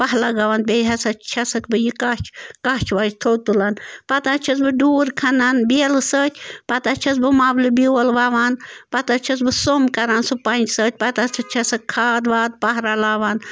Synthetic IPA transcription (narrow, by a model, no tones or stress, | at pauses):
pɐɦlaɡɐʋanbʲejɦɐsɐt͡ʃʰɐsɐkbɨjikat͡ʃʰkat͡ʃʰʋaːd͡ʒt̪ʰoːt̪ulanpɐt̪at͡ʃʰɐs̬bɨɖuːɾkʰɐnanbelɨsəːt̪ʲpɐt̪at͡ʃʰɐs̬bɨmaːblɨbiwɐlʋaʋaːnpɐt̪at͡ʃʰɐs̬bɨsomkɐɾaːnsɨpɐnʲd͡ʒsət̪ʲpɐt̪asʰɐt͡ʃʰɐsɐkkʰaːd̪ʋaːd̪̚pɐɦɾalaːʋan